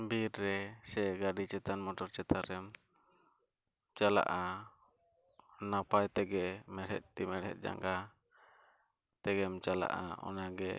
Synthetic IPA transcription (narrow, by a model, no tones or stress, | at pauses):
biɾɾɛsɛɡaɖit͡ʃɛt̪anmɔʈɔɾt͡ʃɛt̪aɾɛm | t͡ʃala̰ʔa | napajt̪ɛɡɛmɛɽɦɛ̰t̪̚t̪imɛɽhɛ̰t̪̚d͡ʒa̰ŋɡa | t̪ɛɡɛmt͡ʃala̰ʔa̰ɔ̰naɡɛ